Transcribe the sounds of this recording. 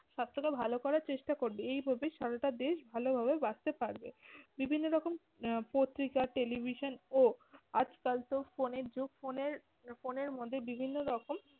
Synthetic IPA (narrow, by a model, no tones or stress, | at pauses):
ʃat̪ːɾokabʱalokɔɾaɾt͡ɕeʃʈakoɾbeejbʱabeʃaɾaʈad̪eʃbʱalobʱabebad͡ʑt̪epaɾbebibʱinːoɾɔkom | pot̪ːɾikaʈelibʱiʃonoad͡ʑkalt̪ofoneɾd͡ʑukfoneɾ | foneɾmod̪ʱːebibʱinːoɾɔkom